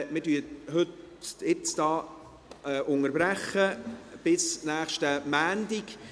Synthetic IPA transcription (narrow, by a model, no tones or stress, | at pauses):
mɪtyːɦɵt | jɪt͡sd̥ɑː | ʔʊŋəɾbɾæχəb̥ɪsnæːχʃtəmæːndɪk